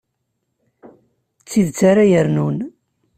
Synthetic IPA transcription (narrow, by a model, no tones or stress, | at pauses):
t͡sːiðt͡sːaɾajəɾnun